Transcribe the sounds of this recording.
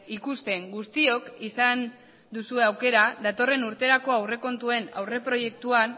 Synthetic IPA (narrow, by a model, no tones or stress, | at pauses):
ikust̪e̞ŋɡust̪io̞kisan | d̪usue̞awke̞ɾaðat̪o̞re̞nuɾt̪e̞ɾako̞awre̞ko̞nt̪ue̞na̰wre̞pɾo̞je̞k̚t̪uan